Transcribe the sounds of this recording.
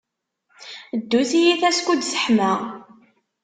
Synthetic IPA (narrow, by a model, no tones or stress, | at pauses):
d̪ːuθijiθæskʷud̪sə̥ħmæ